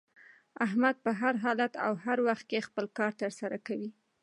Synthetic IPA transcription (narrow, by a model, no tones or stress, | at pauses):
aɦmad̪̚pəɦaɾɦɑlat̪a̰whaɾwaxt̪̚kexpəlkɑɾt̪əɾsaɾakawi